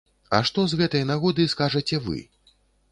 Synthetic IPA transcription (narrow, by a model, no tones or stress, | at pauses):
ɐ̰ʂt̪ɔzɣɛt̪ɐjɐnaɣɔd̪ɨskaʐɐt͡sʲɛvɨ̰